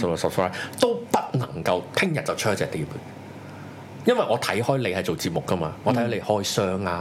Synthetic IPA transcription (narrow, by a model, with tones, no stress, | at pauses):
sɐ˨psɹaː˥jt̪o˥wpɐ˥t̚nɐ̰˨˩ŋkɐ˧wt̪ʰɪ˥ŋjɐ˨t̚t͡sɐ˨wt͡ʃʰːɐ˥t͡sɛː˨kt̪iː˨˩p | jɐ˥nwɐ˨jʔɔː˨˧t̪ʰɐ˨˥jhɔː˥jle˨˧jhɐ˨jt͡ʃo˨wt͡siː˧p̚mʊ˨kːɐ˥ma̰ː˧ŋɔː˨t̪ʰjhɐ˨˥le˨˧jhɔː˥jsœː˥ŋaː˧